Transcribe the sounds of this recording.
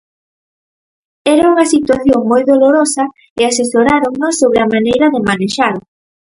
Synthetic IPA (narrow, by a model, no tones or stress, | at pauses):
ɛɾauŋɐsit̪waθjoŋmojðoloɾosɐ | ɪasesoɾaɾoŋnosːoβɾeamanejɾɐðɪmaneʃaɾo